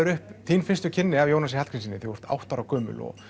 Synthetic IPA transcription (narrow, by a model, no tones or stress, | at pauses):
ʏɾʏhpθiːnfɪn̥st̪ʏcʰɪnːɪavjownasɪhalkʰɾinsinɪθɪɔɾ̥t̪a̰wht̪aɾawkœːmʏ̰lɔ̰